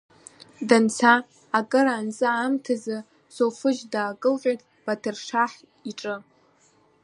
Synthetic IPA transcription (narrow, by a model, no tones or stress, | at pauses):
dant͡sʰaː | kʼɨɾaːnt͡sʼɨamtʰazɨ | sofɨʒdaːkʼɨlqʲʷʼatʼ | b̥atʰɨrʂaħ | iʈ͡ʂʼɨ